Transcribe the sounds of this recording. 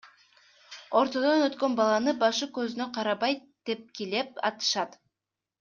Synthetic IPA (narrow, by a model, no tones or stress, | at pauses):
o̞ɾt̪o̞d̪onøt̪kø̞nbɑlˠɑnɯbɑʃɯkøzynøqʰɑɾɑβɑjt̪d̪̥e̞p̚kile̞p̚ɑ̰t̪ɯ̥ʃɑt̪